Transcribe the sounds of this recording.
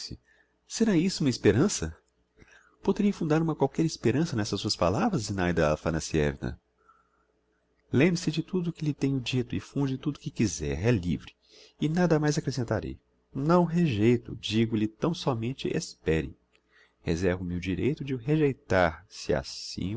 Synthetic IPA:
sɪ | seɾaisʊũmɐispeɾɐ̃sɐ | pod̪eɾiɐfũnd̪aɾũmɐkwawkɛɾispeɾɐ̃sɐnɛsɐssuɐspa̰lavɾɐzinajd̪ɐfɐnɐsiɛ̰vinɐ̰ | lẽmbɾɪsɪd͡ʒɪt̪ud̪ʊːkɪlɪt̪ẽɲʊd͡ʒit̪ʊɪfũd͡ʒɪt̪ud̪ʊkɪkizɛ̰ɾɛlḭvɾɪ | ɪnad̪ɐmajzakɾesẽnt̪aɾḛj | nɐ̃w̃ɦeʒejt̪ʊ̰d͡ʒiɡʊlɪt̪ɐ̃w̃sɔmẽnt͡ʃɪʔḛspɛɾɪ̰ | hḛzɛɾvʊmeʊd͡ʒiɾejt̪ʊd͡ʒɪʊɦeʒejt̪aɾsɪa̰sḭ̃

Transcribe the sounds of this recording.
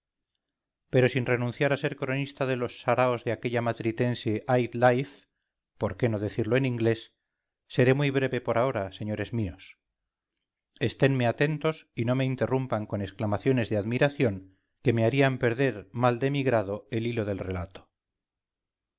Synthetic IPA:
pe̞ɾo̞sinre̞nũnθjaɾase̞ɾkɾo̞nist̪aðe̞lo̞sːaɾaozðeake̞ʎamat̪ɾit̪e̞nseʔajt̪lajf | po̞ɾke̞no̞ðe̞θiɾloenĩŋɡle̞sː | e̞ɾe̞mujβɾe̞βe̞po̞ɾao̞ɾase̞ɲo̞ɾe̞zmio̞s | e̞st̪e̞nmeat̪e̞nt̪o̞sino̞me̞int̪e̞rumpaŋko̞ne̞sklamaθjo̞ne̞zðeaðmiɾaθjo̞ŋ | ke̞me̞aɾiampe̞ɾðe̞ɾmald̪e̞miɣɾað̞o̞e̞lilo̞ð̞e̞lre̞lat̪o̥

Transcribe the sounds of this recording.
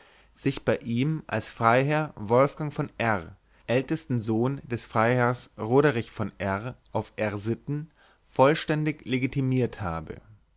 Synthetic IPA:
z̥ɪçb̥aɪʔiːmʔa̰lsfʁ̥aɪɦɛɐvɔlfɡ̥aŋfɔnʔɛʁ | ʔɛltɛstn̩zoːnd̥ɛsfʁ̥aɪhɛɐsʁoːɾəʁɪçfɔnʔɛʁʔaʊfʔɛʁzɪtn̩ | fɔlʃtɛndɪçleɡitʰimiːɐthaːbə̰

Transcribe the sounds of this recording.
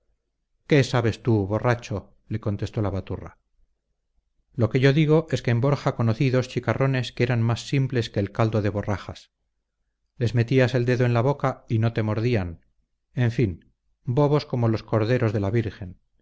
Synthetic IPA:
ke̞saβe̞st̪uβo̞rat͡ʃo̞ | le̞ko̞nt̪e̞st̪o̞laβat̪ura̰ | lo̞ke̞ʝo̞ðiɣ̞o̞ʔe̞ske̞ːmbo̞ɾxako̞noθiðo̞st͡ʃikarʔo̞ne̞skeeɾanmasːimple̞ske̞ːlkald̪o̞ðe̞βo̞raχas | le̞zme̞t̪iase̞ld̪e̞ðoenlaβo̞kaino̞t̪e̞mo̞ɾðian | e̞ɱfin | bo̞βo̞sko̞mo̞lo̞sko̞ɾðe̞ɾo̞zðe̞laβiɾxe̞n

